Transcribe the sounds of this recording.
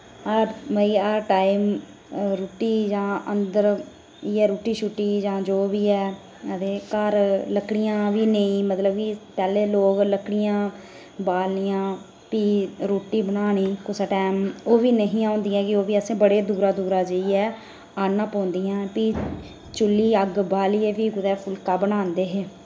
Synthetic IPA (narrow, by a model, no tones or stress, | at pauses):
əɾməiːaɾʈaːiːm | ɾoːʈiːd͡ʒãːənd̪əɾ | iːɛːɾoːʈiːʃuʈːiːd͡ʒãːd͡ʒoːʋiːɛː | əd̪eːkəɾləkːɽɪjãːʋiːneĩːmət̪ləb̚kiːpɛːleːloːɡləkɽɪjãː | baːlnɪjãː | piːɾoːʈiːbənaːniːkʊsaʈɛːmoːʋiːnəɦĩːãːʊ̃nd̪iːãːkɪoːʋiːəsẽːbəɽeːd̪uːɾaːd̪uːɾaːd͡ʒəiːɛː | aːnãːpɔ̃ːnd̪iːãːpiː | t͡ʃʊlːiːəɡbaːliːeːpiːkʊd̪ɛːpʰʊlkaːbənaːnd̪eːɦeː